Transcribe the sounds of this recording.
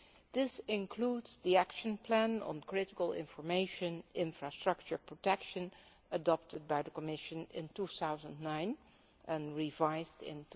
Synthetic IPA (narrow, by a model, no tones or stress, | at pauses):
ðɪsɪ̃nkʰl̥udz̥ðiækʃə̃npʰlæ̃nə̰̃nkʰɹ̥ɪɾɪkəlˠɪ̰̃ɱfə˞meɪʃɨ̃nʔɪ̃ɱfɹastɹ̥ʌk̚t͡ʃə˞pʰɹ̥otɛkʃɨ̃n | ədɑp̚tʰəd̚baɪðəkəmɪʃɨ̃nɪ̰̃ntuθaʊzə̃nnãɪ̃n | ʔə̃nɹivaɪzdɪ̰̃n